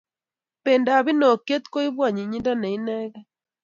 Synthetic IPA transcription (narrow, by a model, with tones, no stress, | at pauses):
pe˨nda˨βi˦no˨kje˦t̪ko˦i˦βwa˦˨ɲi˨ɲi˦nda˦nɛ˨i˦nɛ˦ɣɛ˦